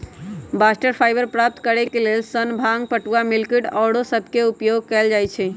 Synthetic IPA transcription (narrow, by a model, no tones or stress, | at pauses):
basʈəɾpʰajbəɾpɾap̚t̪kəɾɛkelelsənbʱaŋɡ̚pəʈuamilkiʈɔɽosəbʱkeupjoɡ̚kɛld͡ʒajt͡ʃʰɛ